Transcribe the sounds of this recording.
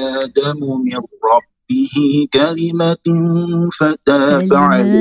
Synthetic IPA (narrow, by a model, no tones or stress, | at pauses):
ʔaːd̪amʊmɪrɾɑbːɪhɪkalɪma | fat̪aːfaʕal